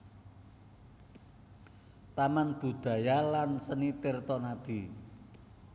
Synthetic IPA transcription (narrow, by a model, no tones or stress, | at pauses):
t̪amanb̥ṳd̪̥ä̤jalansənit̪ɪrt̪ɔnad̪̥i̤